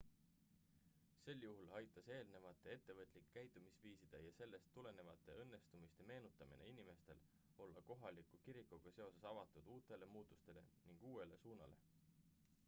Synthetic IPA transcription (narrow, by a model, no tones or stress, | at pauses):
se̞ljuɦulɑjt̪ːˑɑse̞ːlne̞vɑt̪ːˑe̞e̞t̪ːe̞vɤt̪ːˑlikːæjt̪ːˑumisviːsid̪̥e̞jɑse̞lːe̞st̪ːule̞ne̞vɑt̪ːˑe̞ɤnːe̞st̪umist̪e̞me̞ːnut̪ːˑɑmḭnḛinime̞st̪e̞̰l | o̞lːɑko̞ɦɑlikːˑukiɾikːˑuɡ̥ɑse̞o̞se̞sɑvɑt̪ːˑud̪uːt̪ˑe̞le̞muːt̪ːˑust̪e̞le̞̰niŋɡ̥uːe̞le̞suːnɑ̰le̞̰